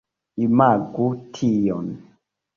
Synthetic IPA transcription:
imaɡutʰijɔn

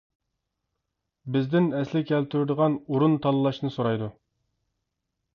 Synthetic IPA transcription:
bɪzd̪ɪnɛslɪkʲʰɛlt̪ʰyɾɪd̪əʁɑnuɾunt̪ʰɑlˠɨlˠɑʃnɨsoɾɑjd̪u

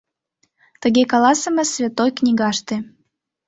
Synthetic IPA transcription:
t̪əɣekɑlɑsəmə̆svʲet̪ojknʲiɣɑʃt̪ĕ

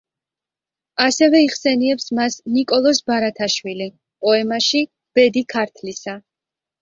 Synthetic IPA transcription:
asɛvɛiʁsɛniɛpsmasnikʼɔlˠɔsbaɾat̪ʰaʃwili | pʼɔɛmaʃi | b̥ɛd̪ikʰaɾt̪ʰlisa

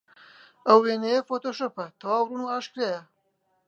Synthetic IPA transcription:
ɐwenejefot̪oʃopɐt̪ʰɐwaːwɾunuaʃkɾeja

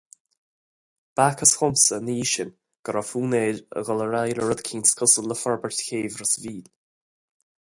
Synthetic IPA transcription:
b̥akʰəsxʊmsəniːʃɪn | ɡ̥əɾafuːneːlə̰ɡɔləɹajləɹəd̪kʰiːnskʰʊsələfaɹbəɹtkeːvɾəsviːl

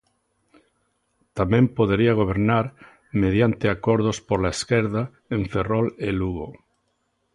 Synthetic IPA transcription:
t̪amẽmpoð̞eɾiaɣ̞oβ̞eɾnaɾ | með̞jant̪eakoɾðospoɾlaeskeɾða | eɱferoleluɣo

